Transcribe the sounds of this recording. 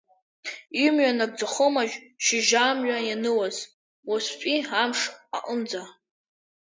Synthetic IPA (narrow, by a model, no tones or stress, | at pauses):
imɥanaɡ̚d͡zaχomaʒʃɪʒaːmɥajanɨwaz | waspʼiamʂaʔənd͡za